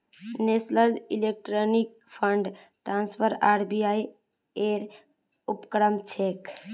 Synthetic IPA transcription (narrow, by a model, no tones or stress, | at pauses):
nesləlilek̚ʈɾonik̚ | pʰəɳɖ | ʈɾanspʰəɾaɾbiaj | eɾ | upkɾəmt͡ʃʰek